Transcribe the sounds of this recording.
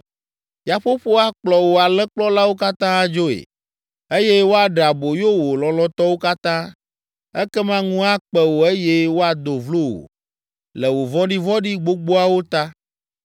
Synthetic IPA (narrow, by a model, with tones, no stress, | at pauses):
ja˨ɸo˦ɸo˦a˦k͡plɔ˨wo˨a˨lɛ˦k͡plɔ˦la˦wo˦ka˦t̪ã˦a˦d͡ʒo˦ḛ˨ | e˦je˦wo˦a˨ɖa˨bo˨jo˦wo˨lɔ̃˨lɔ̃˦t̪ɔ˦wo˦ka˦t̪ã˦ | ɛ˦kɛ˦mã˦ŋũ˦a˦k͡pɛ˦wo˨e˦je˦wo˦a˨d̪o˨vlo˦wo̰˨ | lɛ˨wo˨vɔ̃˦ɖi˦vɔ̃˦ɖi˦ɡ͡bo˦ɡ͡bo˦a˦wo˦t̪a˦